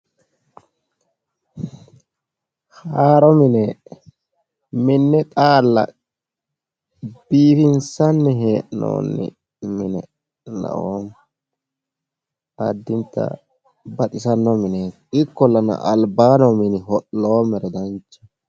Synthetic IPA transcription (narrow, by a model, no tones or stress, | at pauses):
haːɾɔmɪnɛ | mɪnːɛt̪ʼaːlːɐ̰ | b̥iːfɪnsɐnːɛɦeːʔno̰ːnːɪ̰ | mɪnɛ | nɐ̰ʔoːm | ɐd̪ːɪnt̪ːɐ̰ | bɐt̪ʼɪsɐnːɔmɪnɛ | ɪkːɔlːɐnɐ̰ʔɐlbaːnɔmɪnɪhɔʔːoːmɛɾɛd̪ɐnt͡ʃːɛ̥